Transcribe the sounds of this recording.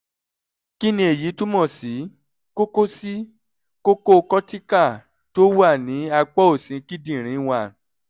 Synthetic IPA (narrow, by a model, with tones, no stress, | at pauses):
ki˦nĩ˧e˨ji˨˦tu˦mɔ̃˦˨si˨˦ | ko˦ko˦si˦ | ko˦ko˦˧kɔ˦ti˦ka˦˨ | to˦wa˦˨nĩ˨˦a˧k͡pɔ˦o˦˨sĩ˨˦ki˦dĩ˦˨ɾ̃ĩ˨˦˧w̃a˨